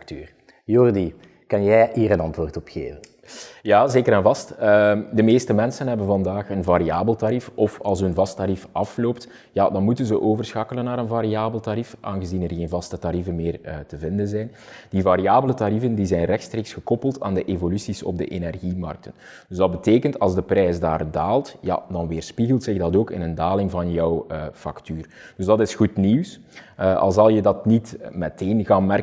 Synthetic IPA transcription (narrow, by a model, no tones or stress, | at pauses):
k̚tyːr | jɔrdi | kɑnjɛjiːɾənɑntʋoːrtɔpxḛːvən | jaːzeːkəɾɛnvɑstədəmeːstəmɛnsənɦɛbənvɑndaːxənvaɾiaːbəlˠtaɾifɔfɑlˠs̬ɦɵnvɑstaɾifʔɑfloːpt | jaːdɑnmutənzəʔoːvərsxakələnːaːɾənvaɾiaːbəlˠtaɾifʔaːnɣəzinɛrɣeːnvɑstətaɾivənmeːrtəvɪndənzɛjn | d̥ivaɾiaːbələtaɾifəndizɛjnrɛxtstreːksxəkɔpəlˠtʰa̰ːndəʔevolysisɔ̰b̚də̰ʔenɛrɣimɑ̰rk̚tən | ddɵzdɑd̚bəteːkəntɑ̰lˠzdəprɛjsdaːrdaːlˠtja̰dɑnʋeːrspiɣəlˠtsɪɣdɑtoːkɪ̰nəndaːlɪŋvɑnjɔwəfɑ̰ktyːrd̥ɵzdɑtɪsxutniws | ʔɑ̰lˠzɑlˠjədɑtnitmɛteːnɣaːnmɛr